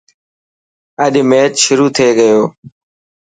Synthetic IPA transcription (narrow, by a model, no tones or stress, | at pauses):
əɗmeːt̪ʃʊɾuːt̪ʰeːɠəjoː